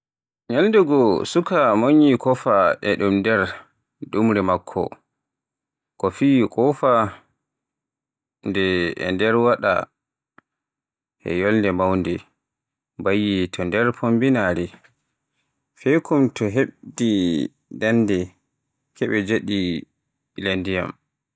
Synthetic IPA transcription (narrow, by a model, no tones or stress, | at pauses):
ɲalndɛɡɔsukamoɲikɔfaʔɛɗumndɛɾ | ɗumɾɛmakʰːɔ̰ | kɔfiːkɔfa | ndɛ̰ːndɛɾwaɗa̰ | ʔɛ̰jɔlndɛmawndɛ | bajitʰɔndɛɾpʰombinaɾi | fɛjkumtɔɦeɓdi | dandɛ | kʰɛɓɛd͡ʒeɗi | landija̰m